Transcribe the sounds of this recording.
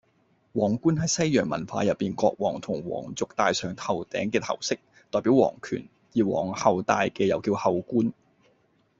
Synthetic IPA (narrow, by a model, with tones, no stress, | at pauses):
wɔː˨˩ŋkuː˥nɦɐ˨˦jsɐ˥jjœː˨˩ŋmɐ̰˨˩nfa̰ː˧jɐ˨pːiː˨nkɔː˧k̚wɔː˨˩ŋt̪ʰʊ˨˩ŋwɔ̰ː˨˩ŋt͡sʊ˨k̚t̪aː˨˧jsœː˨˩ŋt̪ʰɐ˨˩wt̪ɛ̰ː˨˥ŋkɛː˧t̪ʰɐ̰˨˩wsɪ˥k̚ | t̪ɔː˨˧jpiː˨˥wɔ̰ː˨˩ŋkʰy̰ː˨˩n | jiː˨wɔ̰ː˨˩ŋhɐ˧wt̪aː˨jkɛː˧jɐ˨˧wkiː˧whɐ˧wkuː˥n